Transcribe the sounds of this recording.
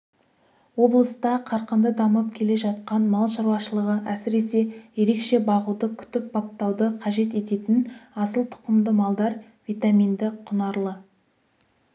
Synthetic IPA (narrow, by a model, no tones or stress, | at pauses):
wo̞blˠəst̪ɑqʰɑɾqənd̪əd̪ɑməp̚kʲʰe̞le̞ʒɑt̪̚qɑnmɑlˠʃɑɾwɑʃəlˠəʁəʔæsɪɾe̞se̞je̞ɾe̞kʃe̞bɑʁud̪əkʲʰʏ̥t̪ɪp̚bɑp̚t̪ɑwd̪əqʰɑʒe̞t̪e̞t̪e̞t̪ɪnɑsəlˠt̪ʰʊ̥qəmd̪əmɑlˠd̪ɑɾ | vijt̪amʲijnd̪ɪqʰʊnɑɾlˠə